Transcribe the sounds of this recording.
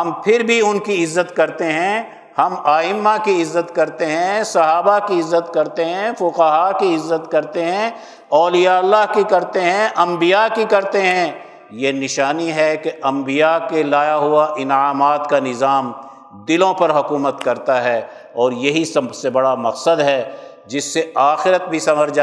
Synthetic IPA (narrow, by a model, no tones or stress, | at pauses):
ɦɐmpʰɪɾbʱiʊnkiɪzːət̪kɐɾt̪eɦɛ̃ | hɐmaːɪmːakiɪzːət̪kɐɾt̪eɦɛ̃sɐɦaːbakiɪzːət̪kɐɾt̪eɦɛ̃fʊqəɦaːkiɪzːət̪kɐɾt̪eɦɛ̃ | ɔːlijaɐlːaɦkikɐɾt̪eɦɛ̃ʔɐ̃mbijakikɐɾt̪eɦɛ̃ | jenɪʃaːniɦɛkeʔɐ̃mbijakelaːjaɦuaʔɪnaːmaːt̪kanɪzaːm | d̪ɪlõpɐɾɦʊkuːmət̪kɐɾt̪aɦɛ | ɔːɾjɐɦisɐbsebɐɽamɐqsəd̪ɦɛ | d͡ʒɪsːeaːxɪɾət̪̚bʱisɐməɾd͡ʒa